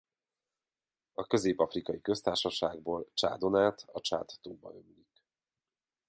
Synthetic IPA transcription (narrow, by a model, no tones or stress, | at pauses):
ɒkø̞zeːpɒfrikɒjikø̞st̪aːrʃɒʃaːɡboːlt͡ʃa̰ːd̪o̞naːt̪ʰɒt͡ʃa̰ːt̪ːoːbɒ̰ømylik